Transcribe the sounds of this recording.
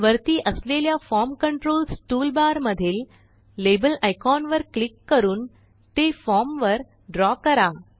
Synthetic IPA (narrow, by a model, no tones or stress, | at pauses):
ʋəɾt̪iːʔəsleljafɔɾmkəɳʈɾolsʈuːlbaɾməd̪ʱiːlː | ebəlajkɔnʋəɾklikːəɾuːn | t̪efɔmʋəɾ | ɖɾɔkəɾa